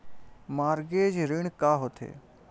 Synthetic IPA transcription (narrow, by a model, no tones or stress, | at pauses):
maːɾɡeːd͡ʒɾɪɳkaːɦot̪ʰḛː